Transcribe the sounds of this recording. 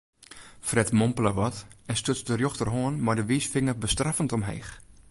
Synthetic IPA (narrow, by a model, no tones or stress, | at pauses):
frɛtmompələʋɔtɛnstøt͡sdərjoxtərɦoənmardəʋisfɪŋərbəstrafəntɔmɦḛjx